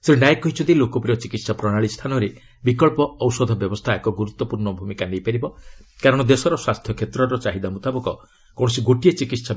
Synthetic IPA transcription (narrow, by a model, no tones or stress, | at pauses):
seɾnajekɔɦit͡ʃʰɔd̪ilokɔpɾiɔt͡ʃikit̪sapɾɔɽ̃aɭist̪ʰanɔɾe | bikɔɭpɔːwsɔd̪ʱɔbjɔbɔst̪ʰaekɔɡuɾut̪ːɔpuɾɳɔbʱumikanejpeɾibɔkaɾɔɽ̃ɔd̪esɔɾɔswast̪ʰjɔkʰet̪ɾɔɾɔt͡ʃaɦid̪amut̪abɔkɔ | kɔ̃ɔsiɡoʈiet͡ʃikit̪sa